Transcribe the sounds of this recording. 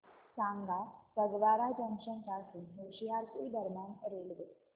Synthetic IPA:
sãŋɡasəɡʋaɾad͡ʒə̃ŋɕənkasunɦoɕiɦaɾkoid̪əɾmjanɾelʋ̪e

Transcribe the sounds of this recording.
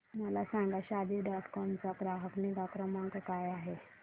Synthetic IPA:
məlasãŋɡaɕad̪iːɖɔʈkɔmt͡sakɾaɦəkniɡakɾəmaŋkəkajaɦe

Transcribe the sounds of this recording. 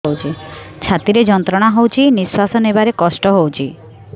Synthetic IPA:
owt͡ʃʰit͡ʃʰat̪iɾed͡ʒɔnt̪ɾɔɽ̃aɦowt͡ʃʰiniswasɔnebaɾekɔsʈɔɦowt͡ʃʰi

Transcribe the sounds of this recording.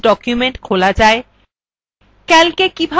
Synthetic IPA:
ɖɔkjumeɳʈkʰolad͡ʑae | kɛlkekibʱa

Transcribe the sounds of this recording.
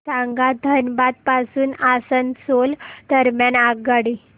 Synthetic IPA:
sãŋɡad̪ʱənbat̪̚pasuːnasənsold̪̥əɾmjanaɡaɽi

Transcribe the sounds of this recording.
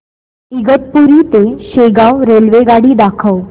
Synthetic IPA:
iɡət̪̚puɾiːt̪eɕeɡawɾelʋeɡaɽiːd̪akʰəw

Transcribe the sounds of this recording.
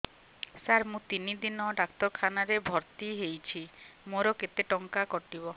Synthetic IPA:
saɾmũt̪inid̪inɔɖakt̪ɔɾkʰanaɾebʱɔɾt̪iɦejt͡ʃʰimoɾɔket̪eʈɔŋkakɔʈibɔ

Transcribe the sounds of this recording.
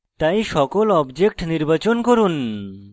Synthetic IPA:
t̪aj̃ʃɔkɔlɔbd͡ʒek̚ʈniɾbat͡ʃɔnkɔɾun

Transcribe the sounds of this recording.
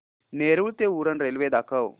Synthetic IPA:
neɾuːɭt̪euɾənɾelʋed̪akʰəw

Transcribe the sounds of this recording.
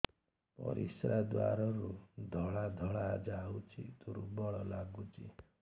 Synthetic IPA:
pɔ̰ɾisɾad̪wa̰ɾɔɾud̪ʱɔɭad̪ʱɔɭad͡ʒawt͡ʃʰit̪uɾubɔɭɔlaɡut͡ʃʰi

